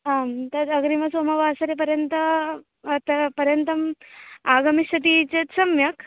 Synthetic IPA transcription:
amt̪ɐɾɐɡɾimɐsomɐʋasɐɾep̬ɐɾjɐnt̪əː | t̪ɐpɐɾjɐnt̪ɐmaːɡɐmisɐt̪it͡ɕet̪sɐmjɐk

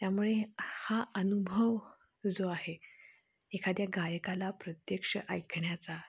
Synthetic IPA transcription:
t̪jamuɭehaənubʱəʋ | d͡zoaɦe | ekʰad̪jaɡajkalapɾət̪jəkʂəʔəjkʰɳjat͡sa

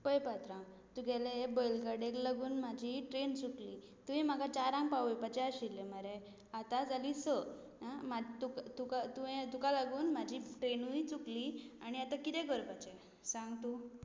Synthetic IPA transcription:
pəjpat̪ɾã | t̪uɡeleebəjlɡaɖeklaɡuːnmad͡ʑʱiʈɾent͡sukliː | t̪uĩm̤aɡat͡ɕaɾãŋɡpaʋujpat͡ɕeaɕilːeməɾe | at̪ad͡zʱaliːsə | amat̪ukat̪ukat̪uẽt̪ukalaɡuːnmad͡ʑʱiːʈɾenuit͡sukliaɽ̃iat̪akit̪ɛ̃ɡəɾpat͡ɕe | sãŋɡt̪u

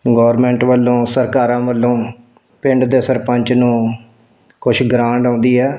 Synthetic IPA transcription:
ɡɔːɾmɛ̃ːɳʈʋəlːõːsəɾkaːɾãːʋəlːõː | pɪɳɖd̪eːsəɾpəɲt͡ʃnũː | kʊʃɡɾãːɳɖãːnd̪iːɦɛː

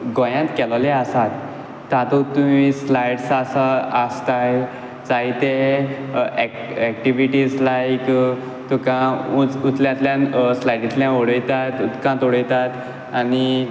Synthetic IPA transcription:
ɡɔjãt̪kɛlleasat̪ː | ãt̪ɔt̪umislajʈsasaast̪aj | t͡saɦit̪e | ɛ | ɛkʈiʋiʈiːslajk | t̪ukãuut̪ljãt̪ljãnslajʈit̪ljãoɽəjt̪at̪ut̪kãt̪oɽəjt̪at̪ | ani

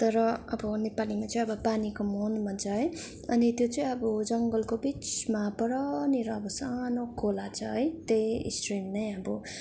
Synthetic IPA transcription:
t̪ʌɾʌʌbʌnepalimat͡sʌĩʌbʌpanikomonmad͡zʌɦ | ʌnit̪jot͡sʌĩʌbʌd͡zʌŋɡʌlkobit͡smapʌɾʌniɾʌːbʌsanokʰolat͡sʰʌɦʌjt̪ej̰sʈrimnʌjʌbʌ

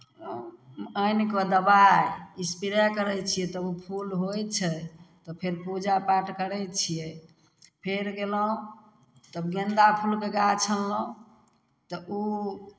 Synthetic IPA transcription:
əjnkɔd̪əbajispiɾakəɾɛt͡ʃʰijɛt̪əbupʰulɦojt͡ʃʰɛt̪ɔpʰeɾpud͡ʒapaʈkəɾɛt͡ʃʰijɛ | pʰeɾɡelɔ̃ | t̪əbɡend̪apʰulkeɡat͡ʃʰəlːɔ̃ | t̪ɔʔu

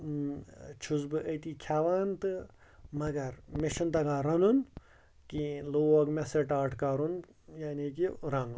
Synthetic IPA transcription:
t͡ʃʰuzbɨʔət̪iːkʰaːʋaːnt̪ɨ | mɐɡɐɾmeʃɐnt̪ɐɡaːɾɐnun | kiloːɐɡmesɐʈaːʈʰkaːɾun | jaːniːkiɾɐŋ

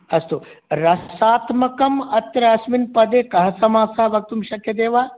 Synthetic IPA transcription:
ɐst̪oːɾɐsaːt̪mɐkɐmɐt̪ɾɐɐsminpɐd̪eːkɐɦɐsɐmaːsaɐʋɐk̚t̪umʃɐkjɐd̪eːʋaː

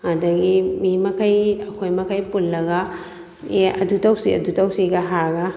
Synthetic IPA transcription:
ɐdɐɡimimɐkʰajɐkʰojmɐkʰajpulːɐɡɐ | eɐ̰dutawsiɐ̰dutɐwsiɡɐɦaɾɡɐ

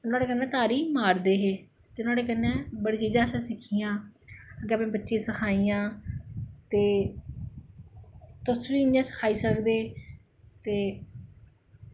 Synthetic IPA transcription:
ʊnãːɽeːkənːɛ̃ːt̪aːɾiːmaːɾd̪eːɦeː | t̪eːʊnãːɽeːk̬ənːɛ̃ːbəɽiːt͡ʃiːd͡ʒãːsɛ̃ːsɪkʰijãːəɡeːapnẽːbətːʃẽːsəkʰaːiːãː | t̪eː | t̪ʊsʋiːɪnãːsə̥kʰaːiːsəkd̪eː | t̪eː

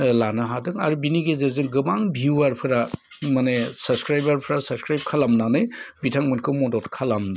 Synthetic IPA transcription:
lanɯɦadɯŋaɾubiniɡezeɾzɯŋɡɯbaŋbʱiwaɾpʰɯɾa | manesɐbskɾajbaɾpʰɯɾasabskɾajb̚kʰalamnanɯjbitʰaŋmɯnkʰɯmɔdɔtkʰalamn

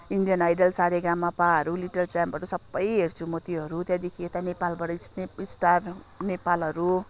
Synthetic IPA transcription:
ind̪ijʌnajɖʌlsaɽeɡamːapaɦʌɾuliʈʌlt͡samʌɾusʌbːʌjɦert͡sʰumʌt̪iɦʌɾut̪jãd̪ekʰiet̪anepalbʌɽʌseisʈar | nepalɦʌɾu

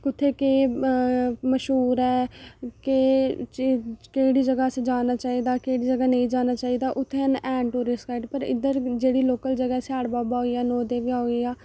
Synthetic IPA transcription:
kʊt̪ʰːeːkeː | məʃɦuːɾɛːke | keːɽiːd͡ʒəɡaːsed͡ʒaːnaːt͡ʃaːiːd̪aːkeːɽiːd͡ʒəɡaːnəĩːd͡ʒaːnaːt͡ʃaːiːd̪aːʔʊt̪ʰːenɛːɳʈuːɾɪskaːɪʈpəɾɪ̰d̪əɾd͡ʒeːɽiːloːkəld͡ʒəɡɛːsaːɽbaːbaːɦoːiːaːnɔːd̪eːʋiaːɦoiːaː

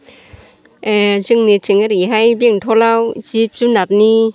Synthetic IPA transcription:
ʔɛzɨŋnit͡ɕɨŋaɾiɦajbiəŋt̪ʰolawzip̚zunat̚ni

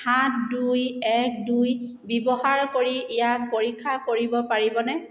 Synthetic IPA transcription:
hat̚dujɛk̚duj | bibɔhaɹkoɹiʔɛjak̚poɹikʰːakoɹibɔpaɹibɔnɛ

